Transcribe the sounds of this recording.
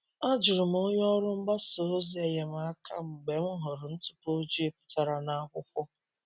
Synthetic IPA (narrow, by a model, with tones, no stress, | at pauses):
a˦d͡ʒʊ˨ɾʊ˨m̩˨˦o˦ɲ˦ɔ˦ɾʊ˦m̩˦ɡ͡ba˦so˨˦zi˨˦e˨je˨m̩˨a˦kʰa̰˦m̩˨ɡ͡be˨m̩˦ɦʊ˨ɾʊ˨n̩˦tu̥˦po˦d͡ʒi˦e˦pʊ̥˦ta˨ɾa˨na˦ɡʷʊ˦kʷʊ˦